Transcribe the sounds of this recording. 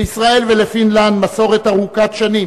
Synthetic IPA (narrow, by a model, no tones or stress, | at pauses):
isʁae̞lvelefinland̪maso̞ʁe̞t̪aʁukat̪ʃani